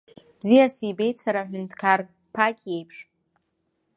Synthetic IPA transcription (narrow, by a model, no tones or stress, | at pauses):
b̥zijasibe̞jt͡sʰaɾaħʷᶣʏntʰkʰar | pʰakʲʰʼje̞jpʰʂʼ